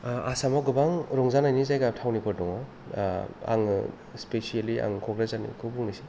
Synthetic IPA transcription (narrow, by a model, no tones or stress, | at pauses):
asamaɡɯbaŋɾɔŋzanajnizajɡatʰawnipʰɔɾdɔŋɔ | a̰ŋ | spesialia̰ŋkʰɔɡɾazanḭkʰɯbuŋnasi̥